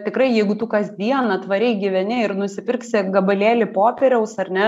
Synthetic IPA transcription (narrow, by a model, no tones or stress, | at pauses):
t̪ʲɪkɾɐɪjɛɪɡʊt̪ʊkɐzʲd̪ʲiɛnɐt̪ʋɐɾʲɛɪɡʲiʋʲɛnʲɪɪrnʊsʲɪpʲɪrksʲɪɡɐbɐlʲeːlʲɪpoːpʲɛɾʲɛʊsɐrʲnʲɛ